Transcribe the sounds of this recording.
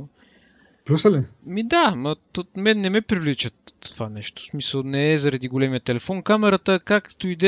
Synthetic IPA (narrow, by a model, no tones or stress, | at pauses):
pɾusəlɛmid̪amɐt̪omɛnːɛmɛpɾivlit͡ʃəo̥vanɛʃt̪o̥smisəlˠnɛːzɐɾɐd̪iɡolɛmijət̪ɛlɛfɔnkamɛɾət̪əkakt̪oid̪ɛ